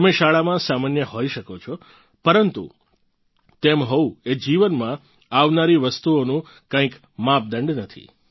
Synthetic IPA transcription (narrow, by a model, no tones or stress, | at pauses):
əmeʃaɭamãsamanjəɦoiʃəkot͡ʃʰɔ | pəɾənt̪ṵ | t̪emɦɔued͡ʒiʋənmã | aʋnaɾiʋəst̪uonũ | kãĩk | mãp̚d̪əɳɖnət̪ʰḭ